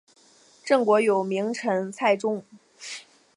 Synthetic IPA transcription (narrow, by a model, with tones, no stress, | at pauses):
ʈ͡ʂɤ˥˩ŋkwɔ˧˥jo˨˩ʊmi˧˥ŋʈ͡ʂʰɤ˧˥ŋt͡sʰa˥˩ɪʈ͡ʂʊ˥ŋ